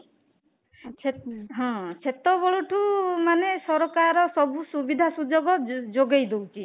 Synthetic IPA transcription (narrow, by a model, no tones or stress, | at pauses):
t͡ʃʰeɦɔ̃t͡ʃʰet̪ɔbɔɭuʈʰumanesɔɾɔkaɾɔsɔbusubid̪ʱasud͡ʒoɡɔd͡ʒoɡejd̪owt͡ʃʰi